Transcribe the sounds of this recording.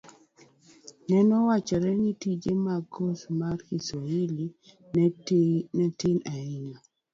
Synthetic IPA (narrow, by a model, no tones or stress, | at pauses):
nɛnɔwat͡ʃɔɾɛnitid͡ʒemaɡosmarhisɔili | nɛtɪnaɪŋa